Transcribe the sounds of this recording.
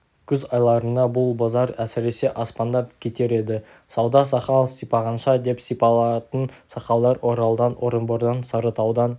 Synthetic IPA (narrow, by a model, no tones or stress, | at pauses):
kʲʰʏzɑjlˠɑɾənd̪ɑbʊlˠbɑzɑɾæsɪɾe̞se̞ʔɑspɑnd̪ɑpkʲʰe̞t̪e̞ɾe̞d̪ɪ | sɑwd̪ɑsɑqɑlˠsijpɑʁɑnʃɑd̪e̞psijpɑlˠɑt̪ənsɑqɑlˠd̪ɑɾwo̞ɾɑlˠəd̪ɑnwo̞ɾəmboɾd̪ɑnsəɾət̪ʰɑwd̪ɑn